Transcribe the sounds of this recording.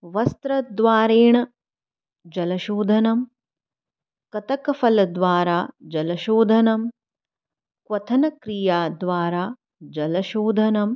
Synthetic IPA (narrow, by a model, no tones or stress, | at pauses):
ʋɐst̪ɾɐd̪ʋaːɾeːɳɐ | d͡ʒɐlɐʃoːd̪ʱɐnɐm | kɐt̪ɐkɐfɐlɐd̪ʋaːɾaːd͡ʒɐlɐʃoːd̪ʱɐnɐm | kʋɐt̪ʰɐnɐkɾijaːd̪ʋaːɾaː | d͡ʒɐlɐʃoːd̪ʱɐnɐm